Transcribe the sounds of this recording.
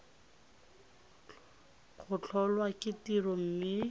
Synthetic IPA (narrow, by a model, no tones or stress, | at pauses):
χʊt͡ɬʰɔlwakɪtirɔm̩mɪ